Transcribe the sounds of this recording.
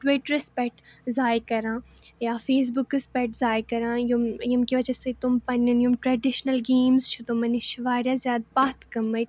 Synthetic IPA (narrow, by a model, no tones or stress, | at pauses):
ʈwɪʈɾɪspɛk̚ʈzaːjkɐɾãː | jafeːs̬bʊkɾɪspɛʈzaːjkɐɾãːjumjimkiʋɐd͡ʒɐset̪ʊmpɐnonjumʈɾɛɖɪʃnəlɡeːmzt͡ʃʰut̪omɐniʃʊʋaːɾjazjaːd̪baːt̪kɐmɐ